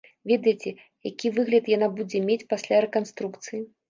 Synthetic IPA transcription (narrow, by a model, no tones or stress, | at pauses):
vʲed̪ɐjt͡sʲɛ | jakʲivɨɣlʲɐt̪janabud͡zʲɛmʲet͡sʲpasʲlʲaɾɛkanst̪ɾukt̪sɨji